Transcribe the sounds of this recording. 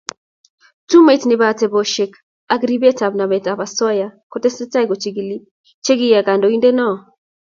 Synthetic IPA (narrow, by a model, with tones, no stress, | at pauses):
tu˦me˨tnɪ˨ba˨te˨bo˨ʃe˨k | a˦ɡɾi˦be˦ta˨bna˨mɛ˨ta˨ba˨sɔ˦ja˦ko˦te˦sɛ˦ta˦i˦ɡo˨t͡ʃi˨ɡi˨li˦ | t͡ʃe˦ɡi˦ja˨ɡa˨ndo˨i˦nde˦nɔ˦